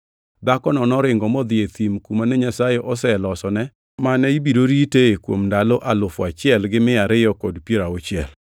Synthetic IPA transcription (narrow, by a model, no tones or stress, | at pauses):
d̪akɔnɔnɔɾɪŋɡɔmɔd̪ɪet̪imkumanɛɲasajeʔɔsɛlɔsɔnɛ | manɛibidoɾiteekwo̰mndaloʔalʊfɔat͡ʃɪɛlɡɪmɪaɾɪjɔkɔdpjeɾaot͡ʃɪɛ̰l